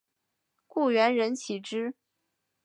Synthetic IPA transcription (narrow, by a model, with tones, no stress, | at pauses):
ku˥˩ɥɛ˧˥nɻə˧˥nt͡ɕʰi˨˩ʈ͡ʂɻ̩˥